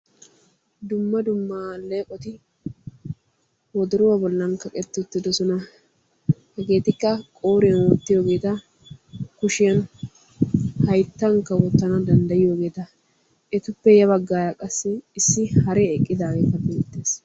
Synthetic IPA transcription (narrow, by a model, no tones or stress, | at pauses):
d̪ʊmːɐd̪ʊmːaleːkʼɔt̪ɪ | wɔd̪ʊɾʊwɐbɔlːɐnkɐkʼɛt̪ːʊt̪ːɪd̪ɔsɔnɐ | hɛɡe̞ːt̪ɪkːɐkʼoːɾɪjɐnwɔt̪ːɪjo̞ːɡe̞ːt̪ɐ | kʊʃɪjɐn | hɐjt̪ːɐŋkːɐwɔt̪ːɐnɐd̪ɐnd̪ɐjɪjo̞ːɡe̞ːt̪ɐ | ʔɛt̪ʊpːɛjɐβɐɡːaːjakʼɐsːɪːsːɪhɐɾɛɛkʼːɪd̪aːɡeːt̪ɐbeːt̪ːe̞ːs